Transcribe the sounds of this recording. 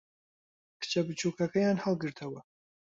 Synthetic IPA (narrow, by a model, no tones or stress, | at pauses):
kʰɨ̥t͡ʃʰɐbɨt͡ʃʰuːkʰɐkɐjɑːnhalˠɡɨɾt̪ʰɐwɐ